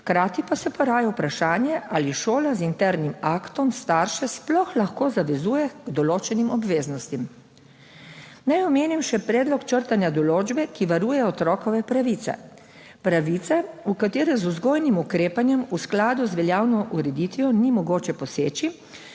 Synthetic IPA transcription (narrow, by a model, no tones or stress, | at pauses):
xkɾaːt̪ipasɛpɔɾaːjawpɾaʃaːnjɛʔaliʃoːlazint̪ɛɾnimakt̪ɔmst̪aːɾʃɛsplɔxlaxkoːzaʋɛzuːjɛɡ̥d̪ɔloːt͡ʃɛnimɔbʋeːznɔst̪im | najɔmeːnimʃɛpɾɛːd̪lɔkt͡ʃəɾt̪anjad̪ɔloːd͡ʒbɛkiʋaɾuːjɛɔt̪ɾɔːkɔʋɛpɾaʋit̪sɛ̰ | pɾaʋit̪sɛukat̪eːɾɛzuzɡoːjnimukɾeːpanjɛmusklaːd̪uzʋɛljaːwnɔʔuɾɛd̪it̪ʋijɔnimɔɡoːt͡ʃɛpɔseːt͡ʃi